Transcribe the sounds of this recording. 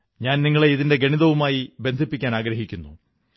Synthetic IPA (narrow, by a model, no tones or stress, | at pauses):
ɲaːnniŋːɐɭeiðinde̞ɡeɳiðɐʋumaːjibe̞nd̪ʱipːikʲːaːnaːɡɾɐɦikʲːunːṵ